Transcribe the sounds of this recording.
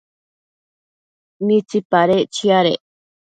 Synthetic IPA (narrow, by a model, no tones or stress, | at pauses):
mĩt͡sipaɾeʔt͡ʃiaɾḛʔ